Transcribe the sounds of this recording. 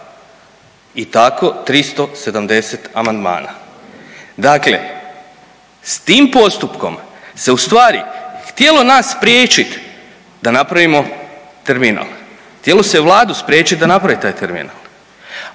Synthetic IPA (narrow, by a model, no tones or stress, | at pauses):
it̪ako̞t̪ɾist̪o̞se̞d̪amd̪e̞se̞t̪amand̪ma̰ːna̰ | d̪aklḛ | st̪iːmpo̞st̪upko̞̰mse̞ust̪ʋaːɾixt̪je̞lo̞nasːpɾjeːt͡ʃit̪ | d̪anapɾaʋimo̞ | t̪e̞ɾmina̰lˠ | xt̪jelo̞seʋlˠaːd̪uspɾje̞ːt͡ɕit̪̚d̪anapɾaʋit̪aːjt̪eɾmḭnalˠ